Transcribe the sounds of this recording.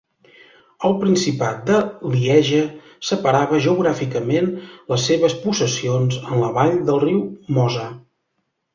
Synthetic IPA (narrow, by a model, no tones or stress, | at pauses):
əlˠpɾinsipat̪̚d̪əliɛʒə | səpəɾaβəʒəuɣɾafikəmenləsːeβəspusəsionzənləβaʎd̪əlˠriwmɔzə